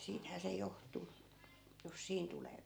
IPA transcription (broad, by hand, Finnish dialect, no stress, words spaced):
siːthæː se johtˑu jos siːn tuleː